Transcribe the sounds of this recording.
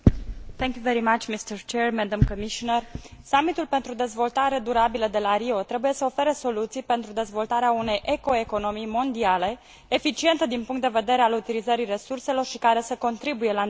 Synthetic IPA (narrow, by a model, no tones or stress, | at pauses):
θɛ̃ŋkjuveɾimat͡ʃmist̪əɾt͡ʃɛɹmɛd̪amkomiʃonərsamit̪ulpe̞nt̪ɾud̪e̞zvo̞lt̪aɾe̞d̪uɾabiləd̪e̞laɾio̞t̪ɾe̞buje̞səo̞fe̞ɾeso̞lut̪sijpe̞nt̪ɾud̪e̞zvo̞lt̪aɾeaune̞jʔe̞ko̞e̞ko̞no̞mijmo̞nd̪iale̞ | efit͡ʃie̞nt̪əd̪inpuŋkt̪d̪e̞ve̞d̪e̞ɾealut̪ilizəɾire̞surse̞lo̞rʃikaɾe̞səko̞nt̪ɾibuje̞la